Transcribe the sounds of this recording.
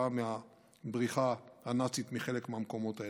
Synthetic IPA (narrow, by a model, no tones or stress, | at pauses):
amea | bʁiχahanat͡sit̪miχe̞lekmeamko̞mo̞t̪ae